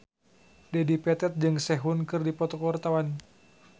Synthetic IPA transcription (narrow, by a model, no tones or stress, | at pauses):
dɛdipɛt̪ɛt̪̚d͡ʒɨŋsɛɦunkɨrdipɔt̪ɔkəwart̪awan